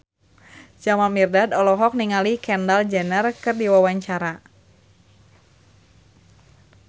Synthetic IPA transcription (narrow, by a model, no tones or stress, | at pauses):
d͡ʒamamirdadɔlɔɦɔk̚niŋalikɛndald͡ʒɛnərkɨrdiwawaɲt͡ʃaɾa